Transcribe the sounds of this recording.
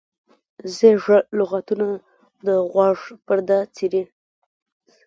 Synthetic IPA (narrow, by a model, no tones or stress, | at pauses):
zeʐəlʊɣat̪una | d̪əɣwɑʐpəɾd̪at͡siɾi